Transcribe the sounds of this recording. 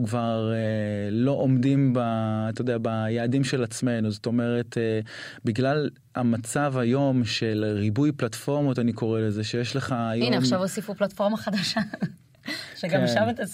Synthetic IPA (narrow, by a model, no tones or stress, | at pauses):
kvaʁelo̞ʔomdimbaːt̪ajod̪eabajaːdimʃe̞lat͡sme̞nuzo̞to̞me̞ʁe̞tʰebiɡlal | amat͡savajo̞mʃe̞lʁibujplatfo̞ʁmo̞taniko̞ʁelezeʃejeʃle̞χajoineaχʃʃavosifuplatfoʁmaχadaʃa | ʃeɡamʃavet̪as